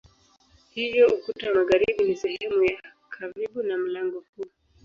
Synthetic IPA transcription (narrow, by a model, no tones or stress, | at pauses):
hivjɔukutamaɣaɾiɓunisɛhɛmuja | kʰaɾiɓunam̩laŋɡɔku